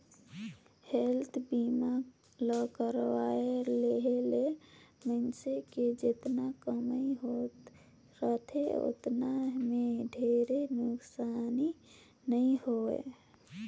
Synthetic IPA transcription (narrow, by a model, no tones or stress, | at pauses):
helt̪ʰbima | ləkəɾwaeleɦelemənseked͡ʒet̪nakəməiɦot̪ | ɾət̪ʰḛo̰t̪nameɖʱeɾenʊksani | nəĩhoḛ